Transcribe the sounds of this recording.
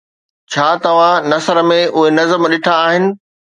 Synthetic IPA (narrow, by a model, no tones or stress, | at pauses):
t͡ɕʰaːt̪ɐʋ̤ãnɐsəɾə̆mẽʔʊɦenɐzəmɗɪʈʰaːɦɪnɪ̆